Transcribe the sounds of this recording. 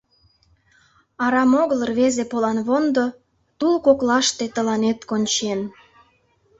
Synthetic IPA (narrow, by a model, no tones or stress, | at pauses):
ɑɾɑmoɣələ̆rβezepolɑnβond̪o | t̪ulkoklɑʃt̪et̪ə̆lɑnet̪konʲt͡ɕen